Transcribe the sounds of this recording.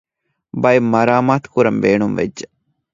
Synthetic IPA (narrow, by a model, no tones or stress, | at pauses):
bɐjimːɐɾaːmaːt̪kuɾɐmbeːɳumʋḛd͡ʒːe